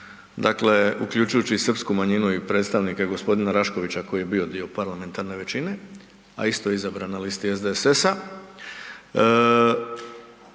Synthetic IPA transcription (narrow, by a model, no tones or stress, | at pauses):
d̪akle̞ṵkʎut͡ʃujut͡ɕisr̩pskumaɲinuipɾet̪st̪aʋnikaɡo̞spo̞d̪inaɾaʃko̞ʋit͡ɕako̞jije̞bio̞d̪io̞paɾlame̞nt̪aɾne̞ʋe̞t͡ɕine̞ | a̰ist̪o̞jeizabɾanalist̪iezd̪eesesa